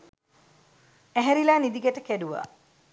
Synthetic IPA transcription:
æɦɛɾilaːnid̪iɡaʈəkæduʋa̰

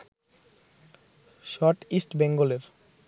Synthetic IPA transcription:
ʃɔɾʈisʈbɛŋɡoleɾ

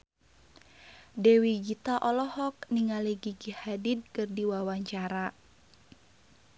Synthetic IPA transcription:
dɛwiɡit̪aʔɔlɔhɔk̚niŋaliɡiɡihadid̪̚kɨrdiwawaɲt͡ʃaɾa

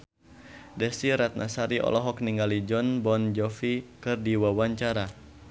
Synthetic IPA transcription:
dɛsiɾat̪̚nasaɾiʔɔ̰lɔɦɔk̚niŋɡalid͡ʒɔnbɔnd͡ʒɔfikɨrdiwawaɲt͡ʃaɾa

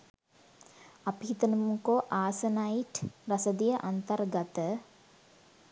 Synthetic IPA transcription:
ɐpiɦit̪ɐnɐmŋkoːʔaːsɐnaiʈɾɐsɐd̪ijɐʔɐnt̪ɐrɡɐt̪ə

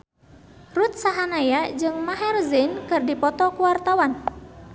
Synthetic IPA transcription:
rut̪̚saɦanajad͡ʒɨŋmaɦɛrzinkɨrdipɔt̪ɔkuwart̪awan

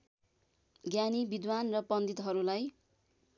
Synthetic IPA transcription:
ɡjanibid̪wanrʌpʌnd̪it̪ɦʌɾulaj

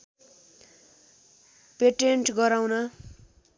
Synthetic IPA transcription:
peʈeɳʈɡʌɾawnʌ

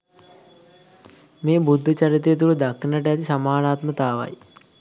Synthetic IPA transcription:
meːbud̪ʱːət͡ʃɐɾit̪ejːt̪̬uld̪ɐkʰːnəʈəɐt̪isɐmaːnaːt̪mət̪aːʋa̰j

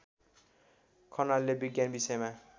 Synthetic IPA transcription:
kʰʌnalːebiɡjanbisʌema

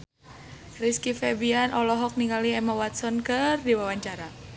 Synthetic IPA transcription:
riskifɛbianʔɔlɔɦɔk̚niŋɡaliɛmawat̪̚sɔnkɨrdiwawaɲt͡ʃaɾa

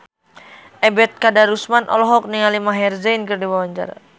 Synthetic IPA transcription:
ʔɛbɛt̪̚kadaɾusmanʔɔ̰lɔɦɔk̚nialimaɦɛrzɛjnkərdiwawaɲd͡ʒa̰ra

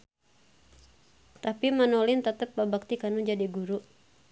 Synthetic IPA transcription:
t̪apimanolɪnt̪ət̪əpːabak̚t̪ikanud͡ʒadiɡuɾu

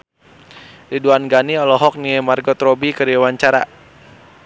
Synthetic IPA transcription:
liduanɡaniɔlɔɦɔk̚niɛmarɡɔt̪ɾɔbikəɾiwaɲt͡ʃaɾa̰

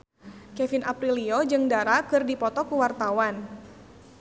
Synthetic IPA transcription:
kɛfinʔapɾiliod͡ʒɨŋdaɾakɨrdipɔt̪ɔkuwart̪awan

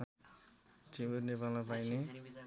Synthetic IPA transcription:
timonepalmapajne

